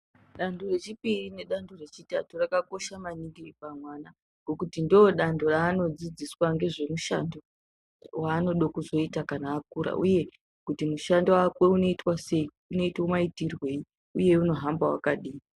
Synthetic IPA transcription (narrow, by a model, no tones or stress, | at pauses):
ɗandore̞t͡ʃipirine̞ɗandore̞t͡ʃitaturakako̞ʃamaniŋɡiripamwana | ŋɡo̞kutindioɗando̞raːno̞d͡zid͡ziswaŋɡe̞ʐe̞muʃando | waːno̞ɗokuzo̞itakanaːk̚uɾa̰ʔṵje̞ | kutimuʃandowakwe̞uno̞itwase̞i | uno̞itwomaitirwe̞i | uje̞uno̞ɦambawa̰kaɗiː